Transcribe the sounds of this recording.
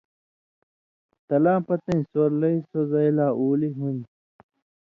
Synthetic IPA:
t̪ɐlãːpɐt̪ẽnĩsoɾlɐisozɐjlaːʔuːliɦuni

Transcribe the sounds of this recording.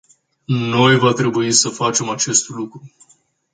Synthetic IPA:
no̞jvat̪ɾe̞buisəfat͡ʃe̞mat͡ʃe̞st̪lukɾu

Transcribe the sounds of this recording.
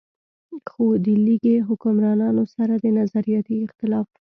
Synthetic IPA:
xod̪iliɡeɦʊkʊmɾɑnɑnosaɾad̪ənazaɾijɑt̪iɪxt̪ɪlɑf

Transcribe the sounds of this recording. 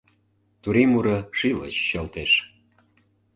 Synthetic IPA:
t̪uɾimuɾəʃilə̰t͡ɕːəlt̪eʃ

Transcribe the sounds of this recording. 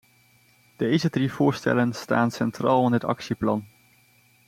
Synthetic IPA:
d̥ejzədrivʊːɹstɛ̰lənstaːnsɛntraːlˠɪndətɑ̰ksiplɑn

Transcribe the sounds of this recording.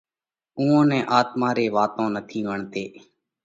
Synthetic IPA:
ũːõːnɛ̃ːʔaːt̪maːɾeːʋaːt̪õːnət̪ʰiːʋəɳt̪eː

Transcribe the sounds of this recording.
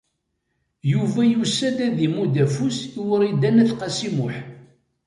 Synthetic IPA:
juvæjusːæd̪æðimud̪æfuswəɾid̪ænæθqɑsimʊħ

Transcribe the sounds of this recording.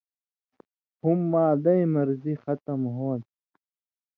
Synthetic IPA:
humːaːd̪ɐimɐɾzixɐt̪ɐmɦoːn

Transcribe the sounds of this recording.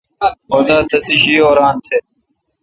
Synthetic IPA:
oːd̪aːt̪ʰɐsiɕiːoːɾaːnt̪ʰeː

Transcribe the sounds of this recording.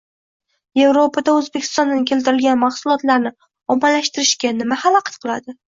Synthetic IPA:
je̞vɾopʰad̪aɵzbe̞kʲʰɪ̥st̪ɒnd̪ankʲʰe̞lt̪ɪɾɪlɡʲanmɑχsʊlˠɒt̪laɾnɪ | ɒmːalaʃt̪ɪɾɪʃkʲanɪmahalˠɒqʰɑ̥t̪̚qʰɨlˠad̪ɪ

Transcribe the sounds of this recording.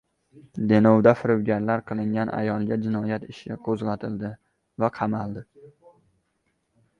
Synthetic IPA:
d̪enowd̪afɪɾʊwɡʲaɾlaɾqʰɨlˠɪŋɡʲanʔa̰jɒlˠɡʲad͡ʒɪnɒjat̪ɪʃʲaqʰozʁɑt̪ʰɪld̪ɪ | vaqʰɑmalˠd̪ɪ

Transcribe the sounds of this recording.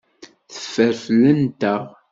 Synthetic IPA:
θə̥fːəɾflənt̪əʁ

